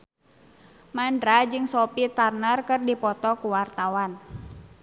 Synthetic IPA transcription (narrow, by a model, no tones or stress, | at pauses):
mandɾad͡ʒɨŋsɔpit̪arnərkɨrdipɔt̪ɔkuwart̪awan